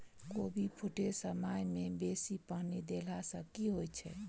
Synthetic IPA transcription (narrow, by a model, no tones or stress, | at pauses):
kobʱipʰuʈʰesəmajmebesipəɦnid̪elasəkiɦojt͡ʃʰɛ